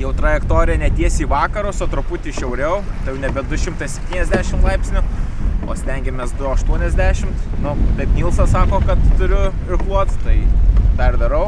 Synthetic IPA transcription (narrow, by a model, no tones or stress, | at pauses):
jɛʊt̪ɾɐjɛkt̪oːɾʲɪjɛnʲɛt̪ʲiɛsʲiːʋɑːkɐɾʊsoːt̪ɾʊpʊt̪ʲiʃʲɛʊɾʲɛʊt̪ɐjɛʊnʲɛbʲɛd̪ʊʃʲɪmt̪ɐɪsʲɛpʲt̪ʲiːnʲɛzʲd̪ʲæːʃʲɪmt̪lˠɐɪpʲsʲnʲʊo̰ːsʲt̪ʲɛŋʲɡʲɛmʲeːsd̪ʊɐʃt̪uɔnʲɛzʲd̪ʲæːʃʲɪmt̪nʊt̪ɐɪpmʲiːlˠsɐsɑːkoːkɐt̪t̪ʊɾʲʊ | ɪrklˠuɔt̪st̪ɐɪp̪ɐrd̪ɐɾɐʊ